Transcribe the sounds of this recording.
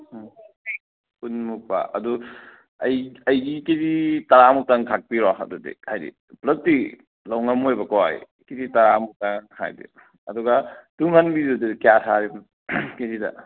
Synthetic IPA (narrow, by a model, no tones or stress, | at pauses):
punmupa̰ʔɐ̰du | ɐjɐjɡikeditaɾamuk̚taŋkʰak̚piɾɔɦa̰dudḭhajdḭ | plɐt̚ːi | lawŋamojbɐkɔa̰j | kiditaɾamuk̚taŋha̰jdḭ | ɐdɔɡatuŋhanbidudikjasʰaɾim | kedida̰